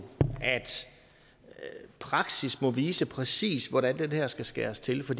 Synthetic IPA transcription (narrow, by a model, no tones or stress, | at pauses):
æd̥ | pʰʁɑ̈ɡ̥sismɒ̽ʋiːsəpʰʁɛsḭːsʋɒɾænd̥enhæɐ̰sɡ̥æsɡ̥æ̰ːɐst͡sʰe̝lfɒ̽d̥